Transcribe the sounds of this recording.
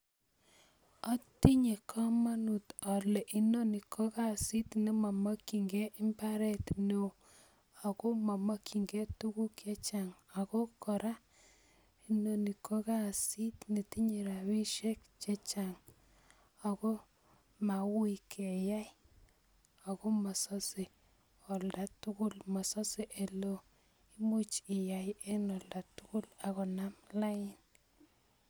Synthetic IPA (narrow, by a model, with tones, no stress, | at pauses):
a˦ti˦ɲe˨kʰa˦ma˦nu˨ta˨le˨ʔi˦no˦ni˨kʰo˦ka˦˨si˦tne˨ma˨ma˦ki˨ŋɡɛ˦ʔi˦mba˦ɾɛ˦t̪ne˨ | a˨ko˦ma˨ma˦kʰi˨ŋɡe˦tu˦ku˦kje˦t͡ʃa˨ŋa˨ko˦kɔ˨ɾa˦ | i˨no˨ni˨kʰo˦ka˦˨si˦tni˨ti˦ɲe˨ɾa˨wi˦ʃe˦k̚t͡ʃɛ˦t͡ʃa˨ŋ | a˨kɔ˦ | ma˨wʊ˦ikɛ˨ja˦j | a˨kɔ˦ma˨sɔ˦se˨ | ɔ˨lda˦tʊ˦kʊ˦lma˨sɔ˦sɪ˨ʔe˨lo˦ | i˦mo˦t͡ʃɪ˨ja˨jɛ˦nɔ˨lda˨tʊ˦kʊ˦la˨kɔ˨na˦mla˦ɪ˦n